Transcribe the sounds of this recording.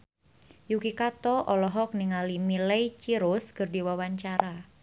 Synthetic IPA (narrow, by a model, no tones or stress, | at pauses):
jukikat̪ɔʔɔlɔɦɔk̚niŋalimilɛjt͡ʃiɾʊskərdiwawaɲt͡ʃaɾa